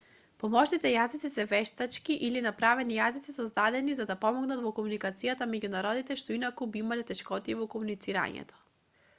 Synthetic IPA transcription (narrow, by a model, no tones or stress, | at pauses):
pɔmɔʃnit̪ɛjazit̪sisɛvɛʃt̪at͡ʃkiʔilinapɾavɛnijazit̪sisɔzd̪ad̪ɛnizad̪apɔmɔɡnat̪vɔkomunikat̪sijat̪amɛɟunaɾɔd̪it̪ɛʃt̪ɔinakubiimalɛt̪ɛʃkɔt̪iɛvɔkɔmunit̪siɾa̰ɲɛ̰t̪ɔ̥